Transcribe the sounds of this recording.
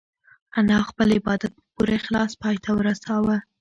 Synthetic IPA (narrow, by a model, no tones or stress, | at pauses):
anɑxpəlɪbɑd̪at̪̚əpuɾexlɑspɑjt̪ʰawəɾasɑwə